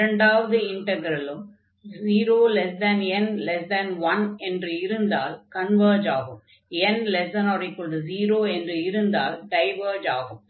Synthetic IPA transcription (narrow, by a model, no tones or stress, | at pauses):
ɾɐɳɖaːʋɐðɯɪɳʈɐɡɾɐlɯm | ziːɾoːlɛs̬d̪ɐnɛnlɛsd̪ɐnʋɐnɛndrɯɪɾɯnd̪aːlkɐnʋɐɾd͡ʒaːɣɯm | ɛnlɛsd̪ɐnɐʋɾɐɪkːɯɭɖɯziːɾoːɛndrɯɪɾɯnd̪aːlɖɐɪʋɐɾd͡ʒaːɣɯm